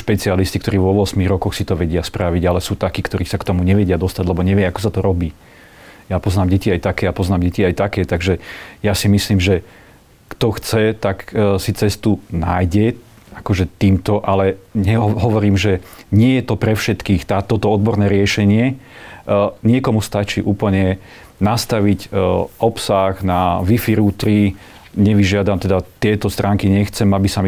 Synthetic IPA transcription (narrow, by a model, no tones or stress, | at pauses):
ʃpɛt͡sialisc̪ikt̪ɔɾiːʋɔʋɔsmiɣɾɔkɔxsit̪ɔʋɛɟɪaspɾaʋiɟalɛsuːt̪akiːkt̪ɔɾiːsakt̪ɔmuɲɛʋɛɟɪad̪ɔst̪aɟlɛbɔɲɛʋɪɛakɔ̥sat̪ɔɾɔbiː | japɔznaːmɟɛciajt̪akɛːapɔznaːmɟɛciajt̪akɛːt̪aɡʒɛjasimisliːmʒɛ | kt̪ɔxt͡sɛt̪aksit͡sɛst̪unajɟɛ | akɔʒɛt̪iːmt̪ɔʔalɛɲɛɦɔʋɔɾiːmʒɛɲɪɛjɛt̪ɔpɾɛfʃɛt̪kiːxt̪aːt̪ɔt̪ɔɔd̪̚bɔɾnɛːɾɪɛʃɛɲɪɛ | ɲɪɛkɔmust̪at͡ʃiːʔuːpl̩ɲɛ | nast̪aʋicɔpsaɣnaʋifiɾut̪ɾi | ɲɛʋiʒɪad̪amt̪ɛd̪at̪ɪɛt̪ɔst̪ɾʔaːŋkiɲɛxt͡sɛmabisam